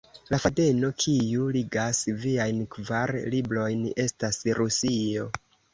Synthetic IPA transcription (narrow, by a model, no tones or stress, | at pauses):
lafade̞no̞kʰijuliɡasviajnkvaɾlibɾo̞jne̞stasɾusio̞